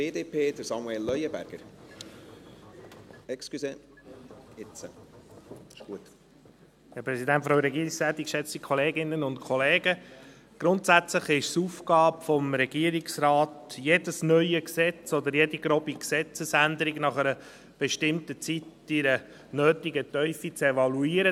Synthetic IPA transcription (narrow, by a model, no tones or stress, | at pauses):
eːdeːpʰeːd̥̪əɾsɑmuelːœjəbæ̰ɾɡ̥əɾ | ɛkskyse | ɪt͡sə | ɪʃɡ̥uət̪ | hæɾpɾɛsidæntfɾaʊɾɛɡiːɾɪksæːt̪ɪkʃɛt͡stikʰɔleːɡɪnːənʊntkʰχɔleːɡə | ɡ̥ɾʊnt̪sæt͡sləχɪʃsufkɑːpfɔmɾɛɡiəɾɪksrɑːtjedəsnœʏəksɛt͡sɔd̪əɾjediɡɾɔpiksɛt͡səsænd̪əɾɪɡnɑχəɾə | b̥ɛʃtɪmtət͡sit | iɾə | nøːtiɡətœʏfit͡sɛvɑluiːəɾə